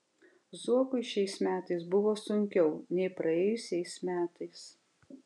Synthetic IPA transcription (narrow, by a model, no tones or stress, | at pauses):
zuɔkʊɪʃʲɛɪsmʲæːt̪ɐɪsbʊʋoːsʊŋʲkʲɛʊnʲɛɪpɾʔɐɛːjʊsʲɛɪsmʲæːt̪ɐɪs